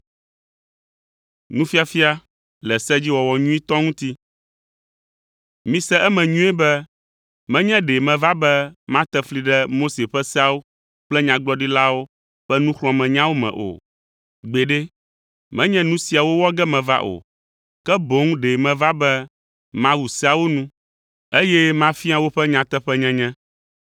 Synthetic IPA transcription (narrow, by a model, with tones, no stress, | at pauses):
nũ˦fi˦a˨fi˦a˦ | lɛ˨sɛ˦d͡ʑi˦wɔ˨wɔ˨ɲũ˦i˦t̪ɔ˦ŋũ˦t̪i˦ | mĩ˨sɛ˦ʔɛ˦mɛ̃˨ɲũ˦ɛ˦bɛ˦ | mɛ̃˦ɲɛ̃˦ɖe˨mɛ̃˨va˦bɛ˦mã˦t̪ɛ˦fli˨ɖɛ˦mo˦se˨ɸɛ˦sɛ˦a˦wo˦ | k͡plɛ˦ɲã˨ɡ͡blɔ˦ɖi˦la˦wo˦ | ɸɛ˦nũ˦xlɔ̃˨mɛ̃˨ɲã˦wo˦mɛ̰̃˨ʔo̰˨ | ɡ͡be˨ɖe˦ | mɛ̃˦ɲɛ̃˦nũ˦si˨a˨wo˦wɔ˦ɡɛ˦mɛ̃˨va̰˦ʔo̰˨ | kɛ˦bo˨˦ŋ˦ɖe˨mɛ̃˨va˦bɛ˦ | mã˦wu˨si˦a˨wo˦nũ˦ | e˦jɛ˦mã˦fi˦a˨wo˦ɸɛ˦ɲã˨t̪ɛ˦ɸɛ˦ɲɛ̃˦ɲɛ̃˦